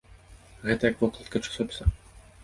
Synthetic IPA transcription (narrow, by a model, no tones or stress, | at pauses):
ɣɛt̪ɐjɐkvɔklˠɐt̪kɐt͡ʂɨ̥sɔpʲsʲɐ